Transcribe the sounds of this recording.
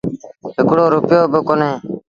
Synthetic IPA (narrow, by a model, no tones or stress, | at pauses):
ɦɪkɽoːɾʊpjoːbɪkoːnẽː